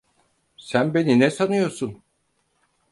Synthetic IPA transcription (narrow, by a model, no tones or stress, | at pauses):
sænbe̞ninɛsanɯjo̞ɾsun